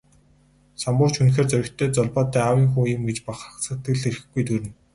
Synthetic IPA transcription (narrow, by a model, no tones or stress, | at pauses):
sampʊːr̥t͡ɕʰunxeːrt͡sœɾʲɪ̆kt̪ʰœːt͡sɔɮpɔːt̪æːawiːŋxuːjʊmɡet͡ɕpaχrə̆sə̆t̪ɡɘ̆ɮeɾɘ̆xɡujt̪ʰuɾɘ̆n